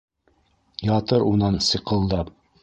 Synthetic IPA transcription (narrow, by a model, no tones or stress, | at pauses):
jɑt̪ɤɾunɑnsɤ̆qɤ̆lˠd̪ɑp